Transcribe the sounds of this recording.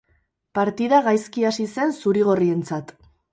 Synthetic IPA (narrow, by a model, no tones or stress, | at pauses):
paɾt̪iðaɣajskiasise̞nsuɾiɣ̞o̞rie̞nt͡sat̪